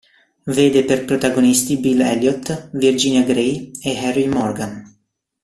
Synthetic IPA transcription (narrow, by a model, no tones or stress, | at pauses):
ved̪epeɾpɾot̪aɡonist̪ibilɛljɔt̪viɾd͡ʒinjaɡɾejehɛrujmɔɾɡan